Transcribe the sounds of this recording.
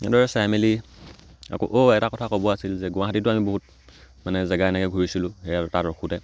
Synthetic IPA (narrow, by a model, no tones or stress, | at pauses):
ɛ̰dɔɹɛsɛmeli | a̰ko̰ʔoɛtakɔtʰakobɔasilzɛɡʊ̃aɦatitʊamiboɦut̚ | manɛzɛɡaɛnɛkɛɡʱuɹisilʊ̃hɛjataɹɔkʰutɛ